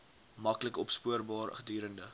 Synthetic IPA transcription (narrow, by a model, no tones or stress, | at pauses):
mɐkləkɔpspuərbɑːrχədyːɾəndə